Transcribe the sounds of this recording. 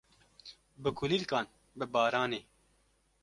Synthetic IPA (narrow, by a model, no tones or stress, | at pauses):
bɨkʰʊliːlkɑːn | bɨbɑːɾɑːneː